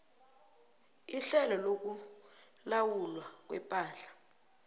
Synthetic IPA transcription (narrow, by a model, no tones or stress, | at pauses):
iɬɛlɔlok̬u | lawulwak̬wɛ̰pʼaːɬḁ